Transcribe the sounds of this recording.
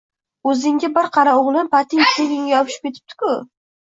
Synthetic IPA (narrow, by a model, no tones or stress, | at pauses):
ɵzɪŋɡʲɪbɪɾqʰɑɾaoʁlˠɪnpʰat̪ʰɪŋtt̪eɡʲɪŋʲjɒpʰɪʃɪ̥p̚kʲe̞t̪ʰɪ̥p̚t̪ʰɪ̥kʰʊ